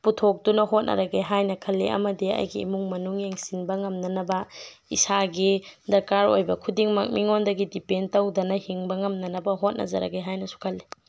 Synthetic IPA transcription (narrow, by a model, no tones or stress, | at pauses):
putʰok̚dunɐɦot̚nʔɐ̰ɾɐɡeɦajnɐkʰɐlːeʔɐ̰mɐdiɐ̰jɡiːmuŋmɐnuŋjeŋsinbɐŋɐmnɐnɐbɐḭsaɡidɐɾkaɾo̰jbɐkʰudiŋmɐk̚miŋondɐɡidipentɐwdɐnɐhiŋbɐŋɐmnɐnɐbɐɦot̚nʔɐ̰zɐ̰ɾɐ̰ɡeɦajnɐsu̥kʰɐlːe